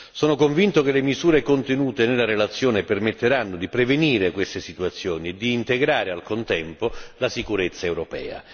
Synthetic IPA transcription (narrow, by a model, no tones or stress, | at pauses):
soːnʊkoɱvint̪okelemizuːɾekont̪enuːt̪enelːaɾelat̪sːjoːnepermet̪ːeɾanːʊd̪ipɾeveniːɾekwest̪esit̪uat̪sːjɔːniɛd̪iːnt̪eɡɾaːɾɪalkont̪ɛmpolasikuɾet̪sːaewɾopɛ̰ːa̰